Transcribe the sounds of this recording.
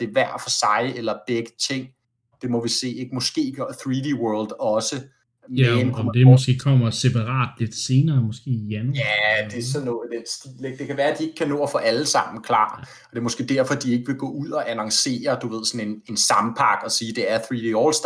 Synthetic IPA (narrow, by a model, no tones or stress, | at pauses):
d̥e̝ʋæɐ̰d̥fɒ̽sɑ̈ɪelɐb̥eɡ̥ət͡sʰeŋ̰ | d̥e̝mɒ̽ʋise̝̰ːeɡ̥əmɒ̽sɡ̥e̝̰ːɡ̥ɐθʁid̥ewɜɐld̥ɒ̽sə | meenmd̥eɔsɡ̥e̝̰ːkʰɒm̰ɐsepʰɑ̈ʁɑ̰̈ːd̥le̝d̥se̝ːnɐːmɒsɡ̥e̝̰ːijænuæd̥e̝æɐsɒ̽nːɔ̽ːð̩ˠd̥ensd̥ileɡ̥̚d̥e̝kʰæʋæːɐæd̥ie̝ɡ̥əkʰːænɔ̰ːɐfɒ̽ʔæləsɑ̈m̰n̩kʰlɑ̰̈ː | ɒ̽d̥e̝ɐmɔ̽sɡ̥e̝̰ːd̥æɐ̰fɒ̽d̥ie̝ɡ̥əʋe̝ɡ̥ɔ̰ːuð̰ˠɒ̽ʔænɑ̈ŋse̝̰ːɐd̥uʋe̝ð̞̰ˠsɒ̽ne̝ne̝nsɑ̈mpʰɑ̈ɡ̥ɒ̽siːd̥e̝æɐθʁid̥eɒls